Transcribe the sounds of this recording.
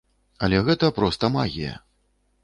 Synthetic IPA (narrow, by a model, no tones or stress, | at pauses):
ɐlʲɛɣɛt̪ɐpɾɔst̪ɐmaɣʲḭjɐ̰